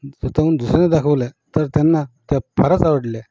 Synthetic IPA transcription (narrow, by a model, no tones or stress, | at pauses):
sut̪aund̪usɾened̪akʰəʋlet̪əɾt̪janːat̪japʰəɾat͡saʋəɽlja